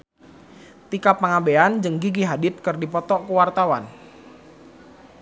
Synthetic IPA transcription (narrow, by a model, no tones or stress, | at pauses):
t̪ikapːaŋabeand͡ʒɨŋɡiɡiɦadɪt̪̚kərdipɔt̪ɔʔkəwart̪awa̰n